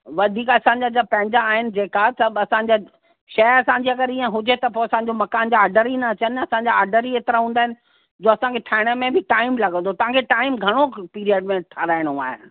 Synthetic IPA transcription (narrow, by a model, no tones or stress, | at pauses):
ʋɐd̪ʱiːkɐsãɲd͡ʑad͡ʑapɐ̃ɦɪ̃ɲd͡ʑaːɦɪnɪ̆d͡ʑeːkat̪ɐɐsãɲd͡ʑa | ʃɐɐsãːɲd͡ʑiɐɡəɾiːə̃ɦʊd͡ʑet̪ɐpoːɐsãɲd͡ʑomɐkaːnd͡ʑaːɾɖəɾinɐt͡ɕənɐsãːɲd͡ʑaaːɾɖəɾieːt̪ɪɾaɦũːnd̪aːɦɪnɪ̆ | d͡ʑoːɐsãkʰeʈʰaːɦɪɽ̃əmẽbɪʈaːɪmlɐɡə̃nd̪ʱot̪ɐʋ̤ãkʰeʈaːɪmɡʱɐɽ̃opiːɾiəɖmẽʈʰɐɾaːɪɽ̃oaːɦḛ